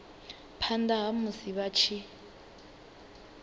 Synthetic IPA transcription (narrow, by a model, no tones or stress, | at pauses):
pʰandaɦamuziβat͡ʃʰi